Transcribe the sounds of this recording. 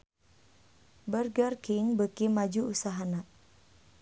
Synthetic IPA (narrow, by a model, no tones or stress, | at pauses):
bərɡərkiŋbəkimad͡ʒuusaɦana